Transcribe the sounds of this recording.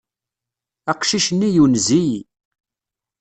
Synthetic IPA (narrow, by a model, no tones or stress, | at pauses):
æqʃiʃənːijunzij